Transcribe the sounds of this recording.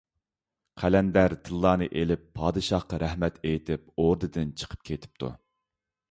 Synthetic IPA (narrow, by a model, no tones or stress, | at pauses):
qʰælɛnd̪æɾt̪ʰɨlˠːɑːnɨʔelɪpʰːɑːd̪ɨʃɑhqɑɾæhmɛt̪ʰejt̪ʰɪp̚oɾd̪ɨd̪ɨnt͡ʃʰə̥qʰə̥p̚kʲʰet̪ʰɪ̥p̚t̪ʰṵ